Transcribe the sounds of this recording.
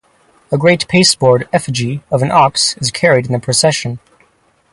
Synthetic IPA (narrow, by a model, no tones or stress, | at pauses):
əɡɹeɪt̚pʰeɪsb̥ɔɹɾɛfɨd͡ʒiʌvɨ̃nʔɑksɨz̥kʰɛɹiɾn̩ðɨpʰɹ̥ɨsɛʃɨ̃n